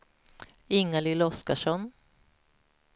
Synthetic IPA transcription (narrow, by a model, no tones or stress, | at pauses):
ɪŋːalɪlɔskaʂɔn